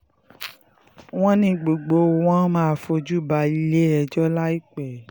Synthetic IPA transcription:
w̃ɔ̃˦nĩ˧ɡ͡bo˨ɡ͡bo˨˦˧w̃ɔ̃˦mãː˦˧˨fo˧d͡ʒu˦ba˧i˧le˦ɛ˧˨d͡ʒɔ˦la˦i˦k͡pɛ˨

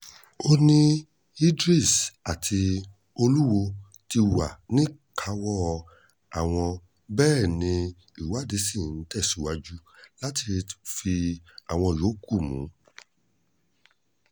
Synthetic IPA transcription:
o˦nĩ˦ | i˦dɾi˦˨sa˨tʰi˧ | o˧lu˦wo˧ | ti˧wa˨nĩ˦kʰa˧wɔ˦ | a˨w̃ɔ̃˧ | bɛː˦˨nĩ˧ | i˦˨wa˦˨de˨˦sĩ˦˨n̩˨˦tɛ˦˨si˨˦wa˧d͡ʒu˦la˦ti˧fi˧a˨w̃ɔ̃˧˨jo˨˦ku˦˨mṵ̃˨˦

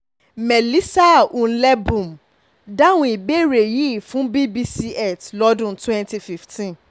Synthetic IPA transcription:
mɛ˨li˦sa˦ũ˨n̩˦lɛ˦bũ˨m˨ | da˦w̃ũ˦i˨be˦ɾe˨ji˦˨fũ˨˦bi˦bi˦si˦ɛ˦˨tlɔ˦dũ˦twɛ̃˦nti˧fi˦ftĩ˦n

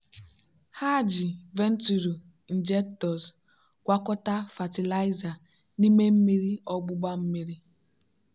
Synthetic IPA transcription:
ha˦˨d͡ʒi˨ve˦n̩˦tu˨ɾu˨ | i˨n̩˨d͡ʒe˦k̚tɔ˨s | kʷa˦kɔ˦ta˦fa˨ti˨la˦ɪ˦za˨ | ni˦me˦m̩˦mi˦ɾi˦ɔ˦ɡ͡bʊ˦ɡ͡ba˦m̩˦mi˦ɾi˦

